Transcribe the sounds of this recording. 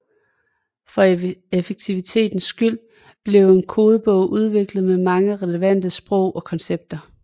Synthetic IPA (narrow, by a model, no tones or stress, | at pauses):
fɒ̽efeɡ̥̚t͡sʰiʋit͡sʰe̝̰ːd̥n̩sːɡ̥yl̰ | b̥le̝ʊe̝nkʰo̝ːð̞ˠəb̥ɔ̽ʊ̰ʔuð̞ˠʋe̝ɡ̥ləð̞̩ˠmemɑ̈ŋəʁɛleʋæn̰d̥əsb̥ʁɔ̽ʊ̰ʔɒ̽kʰɒ̽nseb̥̚d̥ɐ